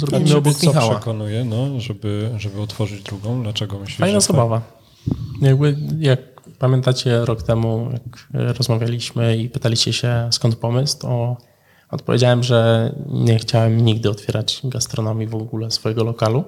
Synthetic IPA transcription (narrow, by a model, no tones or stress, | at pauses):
zɾɡaɔbɛk̪mʲixawwɛakɔnujɛnɔʐɛbɘʐɛbɘɔt̪fɔʐɘd͡ʑd̪ɾuɡɔ̃w̪̃laɛɡɔmɘɕlpaɲinazɔbava | jaɡbɘjak̚pamʲjɛnt̪at͡ɕɛɾɔkt̪ɛmuja̰kɾɔzmavʲjalʲiɕmɘipɘt̪alʲiɕt͡ɕɛɕɛskɔnt̪̚pɔmɘst̪ɔ | ɔt̪pɔvʲḛd͡ʑawɛmʐɛɲɛxt͡ɕawɛmɲiɡd̪ɘɔt̪fʲɛɾʔad͡ʑɡast̪ɾɔnɔmʲjivɔɡulɛsfɔjɛɡɔlɔkalu